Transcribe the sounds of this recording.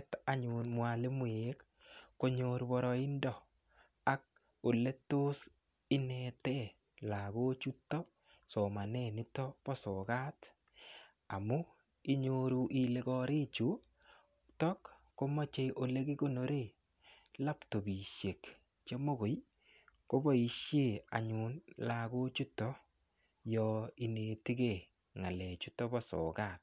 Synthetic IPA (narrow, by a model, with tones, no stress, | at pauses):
ta˨ɲʊ˨nmwa˨le˦mwe˦kː | o˦ɲo˨ɾbɔ˨ɾɔ˨ɪ˦ndɔ˨ | a˨k̚ | o˨le˦to˦s | ɪ˦nɛ˨tɛ˦ | la˨ɡo˦t͡ʃu˦tːɔ˦ | so˨ma˨nɛ˦˨nɪ˦tɔ˦pɔ˦sɔ˨ka˦t | a̰˨mʊ˦ | i˦ɲo˨ɾu˨ʔi˨le˨kɔ˦ɾi˦t͡ʃu˨˦ | tɔ˦kː | o˦mɔ˦t͡ʃe˦jʔo˨le˦ɡi˦ɡo˦no˨ɾe˦˨ | la˦pto˨bi˨ʃje˨k | t͡ʃe˦mo˦ɡo˨j | ko˦bɔ˦i˨˦ʃje˦˨a̰˨ɲu˨nla˨ɡo˦t͡ʃu˦tːɔ˦ | jɔ˧i˨ne˨ti˦ɡe˦˨ | ŋa˨lɛ˨t͡ʃu˦tɔ˦bɔ˦sɔ̰˨ka˦˨t̚